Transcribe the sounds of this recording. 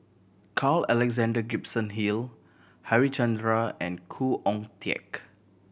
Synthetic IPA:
kʰalɛlɛɡzãndəɡipsə̃nɦil | haɹit͡ʃãndɹaɛ̃nkʰuʔɔ̃ŋtiɛ̰k

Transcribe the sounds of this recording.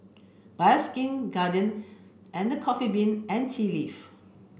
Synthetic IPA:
b̥askĩnɡadə̃n | ʔɛ̃ndəkʰɔfibĩnɛ̃ntʰilif

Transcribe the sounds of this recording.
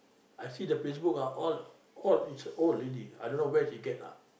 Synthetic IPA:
ajsidəpes̬bukaʔɔl | ɔlitsoledia̰jdõnːowɛsiɡɛt̚a̰

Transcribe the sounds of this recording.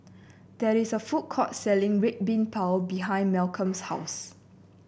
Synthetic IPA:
d̥ɛɹisəfut̚kʰɔtsɛlɪ̃ŋɹet̚bĩnpʰawbiɦãɪ̃nmɛlkʰə̃mshaʊs

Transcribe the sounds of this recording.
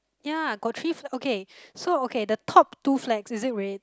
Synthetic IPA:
jaɡɔt̚tʰɹifɛʔokʰesookʰedətʰɔp̚tuflɛksɪzɪt̚ɹet̚

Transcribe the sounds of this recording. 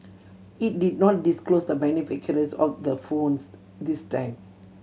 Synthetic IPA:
it̚didnɔt̚disklosdəbɛnifikʰəɾəsɔfd̪əfõns | distãɪ̃m

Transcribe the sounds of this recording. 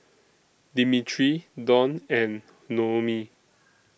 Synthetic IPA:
dimitʰɹidɔ̃nɛ̃nː | omi

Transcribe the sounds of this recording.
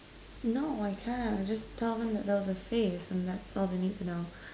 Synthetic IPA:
noʊaɪkʰæ̃nd͡ʒʌstʰɛlˠðə̃mðɨt̪̚ðoʊzəfezɨ̃nðætsɔlˠðeɪnid̚tʰɨnoʊ

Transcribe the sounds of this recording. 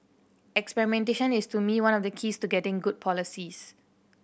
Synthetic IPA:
ɛkspɛɹimɛ̃nteʃə̃nɪstumiwãnɔfdəkʰistuɡɛtɪ̃ŋɡud̚pʰɔlisis

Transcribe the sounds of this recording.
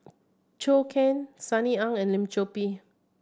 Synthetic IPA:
t͡ʃokʰɛ̃nsaniãŋɛ̃nlĩmt͡ʃopi

